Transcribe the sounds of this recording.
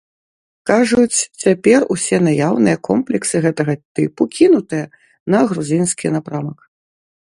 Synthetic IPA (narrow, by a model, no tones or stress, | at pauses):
kaʐut͡sʲt͡sʲapʲɛrusʲɛnajawnɨjɐkɔ̰mplʲɛksɨɣɛt̪ɐɣɐt̪ɨpukʲinut̪ɨjɐ | nɐɣɾuzʲinskʲinapɾamɐk